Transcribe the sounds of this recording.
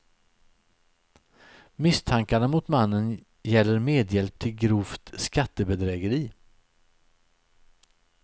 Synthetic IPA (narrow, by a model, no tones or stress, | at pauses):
mɪst̪ʰaŋkanamʊt̪manːən | jɛlːəɾmeːd̪jɛlp̚t̪ʰɪlɡɾuːft̪skat̪ːəbɛd̪ɾɛːɡəɾiː